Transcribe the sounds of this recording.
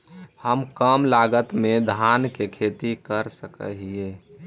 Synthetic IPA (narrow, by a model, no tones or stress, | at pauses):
həmkəmlaɡət̪med̪ʱankekʰet̪ikəɾsəkə̰ɦie